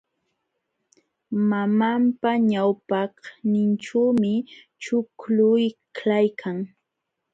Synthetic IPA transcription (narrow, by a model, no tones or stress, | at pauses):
mamampaɲawpɑhnɪnʈ͡ʂawmɪ | t͡ʃʊklʊjklajkʰaŋ